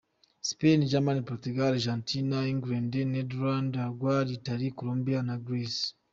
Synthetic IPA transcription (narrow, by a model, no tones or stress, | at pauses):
si̥peniɟamanipoɾtuɡaɾʒantinaiŋɡuɾendeneduɾandaɡwaɾitaɾikoloːmbijanaɡɾis